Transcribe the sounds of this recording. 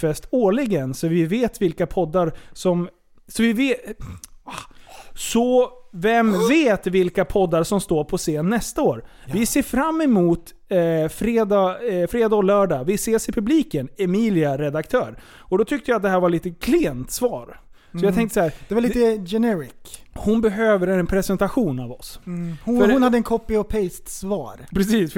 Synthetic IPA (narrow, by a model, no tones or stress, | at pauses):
fɛst̪oːɭɪɡənsɔvɪveːt̪vɪlkapʰɔd̪ːaɾsɔm | sɔvɪveː | sɔvɛmveːt̪vɪlkapʰɔd̪ːaɾʂɔmst̪oːɾpʰɔseːnːɛst̪aoːɾ | vɪseːfɾamːɛmuːt̪ | fɾeːd̪ɑːfɾeːd̪ɑːlœːɖɑːvɪseːsɪpʰɵbliːkənɛmiːlɪaɾɛd̪akt̪ʰœːɾ | ɔd̪ɔt̪ʰʏk̚t̪əjaːt̪̚d̪ɛhæːɾvaɭiːt̪əkʰlɪɛnt̪svɑːɾ | sɔɔjɑɡt̪ʰɛŋt̪əsɔhæːɾd̪̥ɛvaliːt̪əjɛnɛɾɪk | hʊnbɛɦøːvəɾɛnpʰɾɛsɛnt̪aɧuːnavɔ̰shfhʊnhad̪ːəɛnkʰɔpːɪɔpʰɛɪst̪svɑ̰ːɾpʰɾɛsiːs